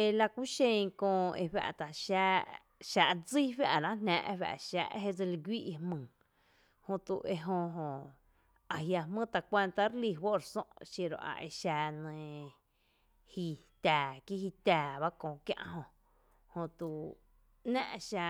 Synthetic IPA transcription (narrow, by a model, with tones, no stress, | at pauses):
e˧la˧kʷu˦ʃẽ˧ŋkõː˧ḛ˧wa̰˧ʔt̪a˨ʃa˧ | ʃa˧ʔd͡zi˦ɸja˧ʔlã˦nã̰ː˧ʔwa̰˧ʔʃa̰ː˧ʔɦe˦d͡zɨ˧li˧ɡʷi˦ʔhmɨ̃ː˨ | hõ˧t̪u˧ʔe˧ɦõ˧ɦõ˧˨ | a˨ɦja˧mə̃ː˦t̪a˧kʷe˧nt̪a˦ɾli˧˨wo˦ɾsõ̰˦ʔʃe˧ɾo̰˧˨ʔa̰˨ʔḛ˧ʃa˧nə̃˧ | hi˧t̪aː˨ki˦ɦi˧t̪aː˨βa˦kõː˧˨kjã̰˧ʔɦõ˧ | hõ˧t̪u˧˨ | nã̰ː˦ʔʃa˧